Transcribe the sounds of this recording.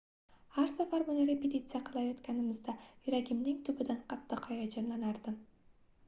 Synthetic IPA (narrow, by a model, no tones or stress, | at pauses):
aɾsafaɾmʊnaɾepʲet̪ʲit̪sɨjaqʰɨlˠɑjot̪kʲanɪmɪzd̪ajyɾaɡʲɪmnɪŋt̪ʰʊbɪd̪aɴqʰɑt̪ːɨqɒjɑd͡ʒɒnlanɑɾd̪̥ɪm